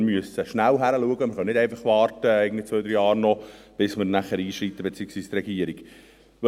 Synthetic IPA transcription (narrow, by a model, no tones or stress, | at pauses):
myəsəʃnælɦæɾəluəɡəmɪɾχœnɪdɛɪnfɑχʋɑːrtəɛɪɡənd̪it͡sʋœːd̪ɾjɑːɾnɔ | b̥ɪsməɾnæχəɾiːʃɾit̪ːəbet͡siːəksʋiːst̪rɛɡiəɾiɡ